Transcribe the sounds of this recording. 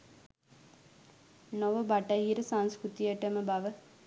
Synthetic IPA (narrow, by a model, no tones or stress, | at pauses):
noʋəbɐʈɐjiɾɨsaŋ̃skɾut̪ijəʈəməbɐʋə